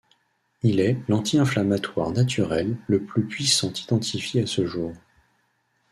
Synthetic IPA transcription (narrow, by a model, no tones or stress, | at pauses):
ilɛlɑ̃t̪ʰiɛ̃flamat̪wa̰ʁnat̪yʁɛlːəplypɥisɑ̃t̪id̪ɑ̃t̪ʰifjeasəʒuːʁ